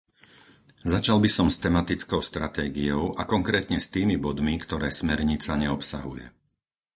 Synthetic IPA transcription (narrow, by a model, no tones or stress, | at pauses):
zat͡ʃalbisɔmst̪ɛmat̪it͡skɔʊst̪ɾat̪ɛːɡiɔʊʔakɔŋkɾɛːt̪ɲɛst̪iːmibɔd̪mikt̪ɔɾɛːsmɛɾɲit͡saɲɛɔpsa̰ɦujɛ̰